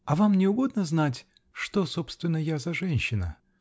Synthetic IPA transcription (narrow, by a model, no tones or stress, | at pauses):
ɐvamnʲɪʊɡo̞d̪̚nəznatʲ | ʂt̪osopst̪vʲɪnːəjazɐʐɛnʲɕːɪnə̰